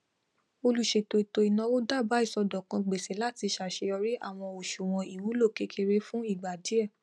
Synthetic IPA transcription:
o˧lu˦˨ʃe˨to˧i˨to˧i˨nã˨˧wo˦da˦˨ba˨˦i˦˨sɔ˧dɔ˨kã˧ɡ͡be˨sɛ˨˦la˦ti˧ʃa˨ʃe˧ɔ˧ɾi˦ʔa˦˨w̃ɔ̃˧o˨ʃu˨w̃ɔ̃˧i˨wu˨˦lo˦˨ke˦kʰe˧ɾe˦fũ˦i˦˨ɡ͡ba˨di˨˦ɛ˦˨

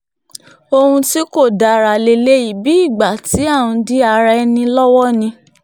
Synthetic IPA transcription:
o˧hũ˧ti˦ko˦˨da˨ɾa˨le˧˨le˦i˨bi˨˦i˦˨ɡ͡ba˨ti˨˦a˦˨wũ˧di˦a˧ɾɛ˧˦nĩ˧lɔ˦wɔ˦nĩ˧

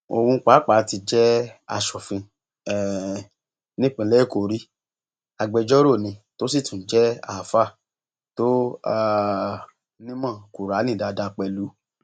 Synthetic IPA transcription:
o̰˧wũ˧˦k͡paː˨˦k͡pa˨˦ti˧d͡ʒɛ˦a̰˧ʃɔ˨fĩ˧ | ɛ˨ | nĩ˦k͡pĩ˧˦lɛ˦˨ko˨ɾi˦ | a˧ɡ͡bɛ˧d͡ʒɔ˦ɾo˦˨nĩ˧to˦si˦˨tũ˨˦d͡ʒɛ˦a̰˨fa˦˨ | to˦a˦˧ | nĩ˦mã˦˨ku˨ɾa˨˦nĩ˦˨da˧da˧k͡pɛ˧lu˨˦

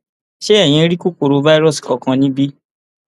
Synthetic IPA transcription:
ʃe˦ɛ˦˨j̃ĩ˧˦ɾi˦ku˦ko˧ɾo˨˧va˦i˦ɾɔ˦˨si̥˨kɔ˨kã˧nĩ˦bi˦

